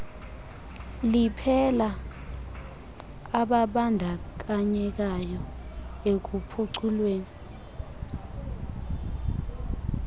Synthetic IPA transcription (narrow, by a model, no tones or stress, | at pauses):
lipʰɛla | ɓaɓandʱak̬aɲɛk̬ajɔek̬upʰuǀʰulweːni